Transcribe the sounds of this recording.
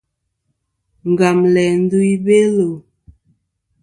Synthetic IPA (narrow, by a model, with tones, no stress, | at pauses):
ŋ˨ɡa˨mlɛ˨n̩˦du˦i˦be˦lo˨